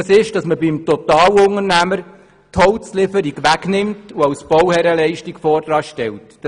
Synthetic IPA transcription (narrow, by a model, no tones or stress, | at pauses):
ɑsɪʃd̥ɑsməbɪmtɔtɑːwʊŋəɾnæməɾ | tʰɔwt͡slɪfəɾiɡʋæɡnɪmtuɑwsb̥ɔwhɛɾəlɛɪʃtikfɔːrdɾɑːʃtɛltː